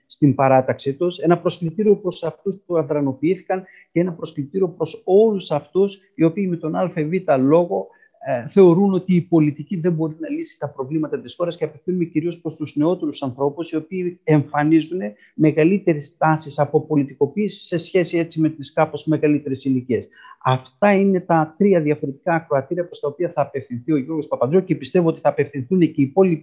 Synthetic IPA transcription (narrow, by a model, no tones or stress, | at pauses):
st̪imbɐɾɐt̪ɐksit̪use̞nɐpɾo̞sklit̪iɾio̞pɾo̞sɐft̪uspuɐðɾɐno̞piiθi̥kɐn | cee̞nɐpɾo̞sklit̪iɾio̞pɾo̞so̞lusɐft̪us | io̞piːme̞t̪o̞nɐlfe̞vit̪ɐlo̞ɣo̞ | θe̞o̞ɾuno̞t̪iːpo̞lit̪iciðe̞mbo̞ɾinɐlisi̥t̪ɐpɾo̞vlimɐt̪ɐt̪isxo̞ɾɐsceɐpe̞θinumeciɾio̞spɾo̞st̪uzne̞o̞t̪e̞ɾusɐnθɾo̞pusio̞piːeɱfɐnizune̞ | me̞ɣɐlit̪e̞ɾest̪ɐsisɐpo̞po̞lit̪iko̞piːsi̥sːe̞sçe̞sie̞t͡sime̞t̪iskɐpo̞zme̞ɣɐlit̪e̞ɾe̞silicie̞sɐft̪ɐine̞t̪ɐt̪ɾiɐðjɐfo̞ɾet̪i̥kɐːkɾoɐt̪iɾiɐpɾo̞st̪ɐopiɐθɐːpe̞fθinθio̞ʝo̞ɾɣo̞spɐpɐd̪ɾocepist̪e̞vuo̞t̪iθɐːpe̞fθinθuneceipo̞lipi